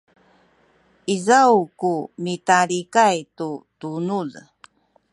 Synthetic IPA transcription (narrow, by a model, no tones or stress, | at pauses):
izawkumitaɾikajtutunul